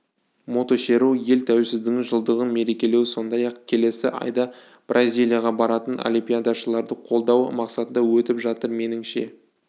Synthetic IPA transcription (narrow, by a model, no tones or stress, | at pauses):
mo̞t̪o̞ʃe̞ɾuje̞lt̪ʰæwesɪzd̪ɪŋʒəlˠd̪əʁənme̞ɾe̞kʲe̞le̞wɪso̞nd̪ɑjɑqkʲʰe̞le̞sɪʔɑ̰jd̪ɑ | b̥rʔazʲijlʲijaʁɑbɑɾɑt̪ənʔo̰lʲimpʲijad̪aʃəlˠɑɾd̪əqʰo̞lˠd̪ɑwmɑqsɑt̪ənd̪ɑwɵt̪ɪpʒɑt̪əɾme̞nɪŋʃe̞